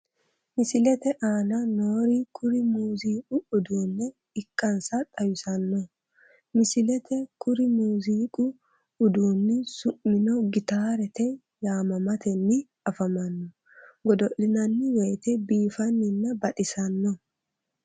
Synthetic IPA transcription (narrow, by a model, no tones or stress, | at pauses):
mɪsɪlɛt̪ɛʔaːnɐnoːɾikʰʊɾɪmuːziːkʼʊʊd̪uːnːɛ | ɪkːɐnsɐt̪ʼɐjʊsɐnːɔ | mɪsɪlɛt̪ɛkʊɾɪmuːziːkʼʊ | ʊd̪uːnːɛsʊʔːɪnɔɡɪt̪aːɾɛt̪ɛ | jaːmɐmɐt̪ʰɛnːɪ | ɐfɐmɐnːɔ | ɡɔd̪ɔʔɪnɐnːɪweːt̪ɛbiːfɐnːɪnːɐbɐᶑɪsɐnːɔ